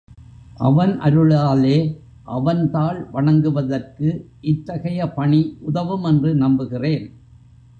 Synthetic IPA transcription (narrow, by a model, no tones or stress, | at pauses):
ʔɐʋɐnʔɐ̰ɾɯɭaːleː | ʔɐʋɐnt̪aːɭʋɐɳɐŋɡɯʋɐðɐrkɯ | ʔɪt̪ːɐɣɐjɐpɐɳiʔʊðɐʋɯmɛndrɯnɐmbɯɣɪreːn